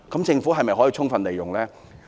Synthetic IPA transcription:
kɐ˨˥mt͡sɪ˧ŋfu˨˥ɦɐ˨jmɐ˨jhɦɔ˨˥ji˧˥ʊ˥ŋfɐ˨nle˨jʊ˨˩ŋlɛː˦˥

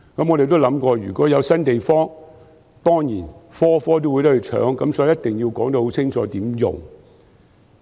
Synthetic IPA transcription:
kɐ˨˥mŋɔ˨˧ɾe˨jt̪o˥wlɐ˨˥mkɔː˧ɥyː˨˩kɔː˨˥jɐ˨˧wsɐ˥nt̪e˨jfɔː˥ŋ | t̪ɔː˥ŋjiː˨˩nfɔː˥fɔː˥t̪̬o˥wu˨˧jt̪ɐ˥˨˧t͡ʃʰœ̰ː˨˥ŋkɐ˨˥msɔː˨˥i˨˦jɐ˥t̪̚ɪ˨ŋji˧wkɔː˨˥ŋt̪o˧who˨˥wt͡sʰɪ˥ŋt͡ʃʰɔː˨˧t̪iː˨˥mjʊ̰˨ŋ

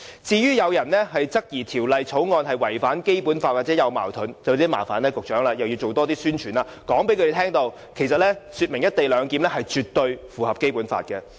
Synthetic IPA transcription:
t͡siː˧jyː˥jɐ˨˧wjɐ˨˩nlɛː˥ɦɐ˨jt͡sɐ˥k̚jiː˨˩t̪ʰiː˨˩wlɐ˨jt͡sʰo˨˥wŋɔː˧nɦɐ˨jwɐ˨˩jfaː˨˥nke˥jpuː˨˥nfaː˧t̚waː˨˩t͡sɛː˨˥jɐ˨˧wma̰ː˨˩wt̪ʰʊ˨˥nt͡sɐ˨wt̪iː˥ma̰ː˨˩fa̰ː˨˥nɛː˥kʊ˨k̚t͡ʃœː˨˥ŋlaː˧jɐ˨wjiː˧wt͡so˨wt̪ɔː˥t̪iː˥syː˥nt͡ʃʰyː˨˩nlaː˧kɔː˨˥ŋpe˨˥kɵ˧e˨tʰɛː˥ŋt̪o˧w | kʰe˨˩js̬ɐ˨t̚lɛː˥syː˧t̚mɪ˨˩ŋjɐ˥t̚t̪e˨jlœː˨˧ŋkiː˨˥mlɛ˥hɐ˨jt͡ʃyː˨t̪̚ɵ˧ɥfuː˨˩hɐ˨p̚ke˥jpuː˨˥nfa̰ː˧t̚kɛ˧

